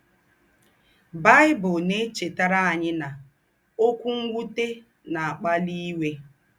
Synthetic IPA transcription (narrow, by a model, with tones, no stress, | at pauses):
ba˦jɪ˦bʊ˨ne˦t͡ʃe˨ta˦ɾa˦a˨ɲɪ˦na˨ | o˦kʷu˦ŋ̩˦ɡʷu˦te˦ | na˨a˨k͡pa˦li˦we˦